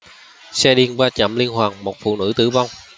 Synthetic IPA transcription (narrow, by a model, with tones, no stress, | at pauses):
sɛ˧ɗi˧ənvaː˧t͡ɕə̰˧˩mli˧ənɦwaː˨˩ŋmo˨˩t̚fṵ˧˨nɨ̰˧˥t̪ɨ̰˧˩va˧wŋ͡m